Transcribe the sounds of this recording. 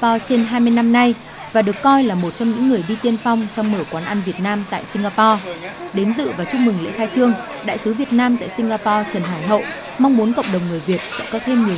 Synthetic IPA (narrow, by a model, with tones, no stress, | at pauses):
pɔ˧t͡ɕe˧nɦaː˧jmɨ˧jna˧mna˧j | vaː˨˩ɗɨ˨˩ə˩kːɔ˧jlaː˨˩mo˨˩t̚t͡ɕɔ˧ŋ͡mɲɨ̰˧˥ŋːɨ˨˩əjɗi˧t̪i˧ənfa˧wŋ͡mt͡ɕɔ˧wŋ͡mməː˧˩kwaː˨˦nʔa˧nvi˨˩ət̚naː˧mt̪a̰ː˧˨jsï˧ŋ̟ɣaː˧pɔ˧ɗe˨˦nzɨ̰˧˨vaː˨˩t͡ɕʊ˧ŋ͡mmɨ˨˩ŋlḛ˧˥xaː˧jt͡ɕɨ˧əŋ | ɗa̰ː˧˨jsɨ˨˦vi˨˩ət̚naː˧mt̪a̰ː˧˨jsï˧ŋ̟ɣaː˧pɔ˧t͡ɕə˨˩nɦaː˧˩jɦə̰˧˨ʔ | ma˧wŋ͡mmu˨˦nkə̰˧˨wŋ͡mɗə˨˩wŋ͡mŋɨ˨˩əjvi˨˩ət̚sɛ̰˧˥kɔ˨˦t̪ʰe˧mŋi˨˩ə